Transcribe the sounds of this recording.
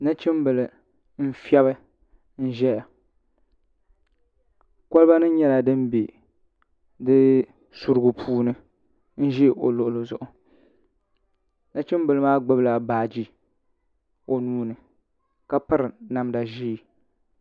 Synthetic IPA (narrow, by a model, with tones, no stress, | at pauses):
na˦t͡ʃɪ˦mbɨ˨lɨ˨ | m̩˦fi˦ɛ˦bɨ˦ | n̩˦ʒɛ˦ja˨ | kʷa˦lɨ˦ba˦nɨ˦ɲɛ˦la˨dɨ˦mbi˨ | dɨ˦ | su˨ɾɨ˦ɡʊ˨pʰuː˦nɨ˦ | n̩˦ʒi˦˨ʔo̰˨lʊ˨ʔʊ˨lo˨zʊ˨ʔʊ˨ | na˦t͡ʃɪ˦mbɨ˨lɨ˦maː˦ɡ͡bɨ˦bla˨baː˨d͡ʒi˦ | o˨nuː˦nɨ˨ | ka˨pɨ˦ɾɨ˨na˨mda˨ʒi˦˨